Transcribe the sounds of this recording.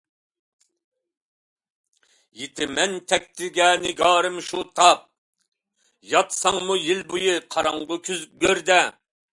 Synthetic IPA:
jet̪ʰɪmɛnt̪ʰɛk̚ʲt̪ʰɪlɡʲɛːnɪɡɑːɾɨmʃut̪ʰɑp̚ | jɑt̪sɑŋmujilbujɨqʰɑɾɑŋʁəkʲʰyzɡʲøɾd̪ɛ

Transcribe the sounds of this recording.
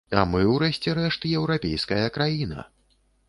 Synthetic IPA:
a̰mɨwɾɛsʲt͡sʲɛɾɛʂt̪ɨjɛwɾapʲḛjskɐjɐkɾajinɐ̰

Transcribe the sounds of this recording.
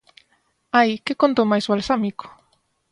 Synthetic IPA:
ajkekont̪omajzβalsamiko̥

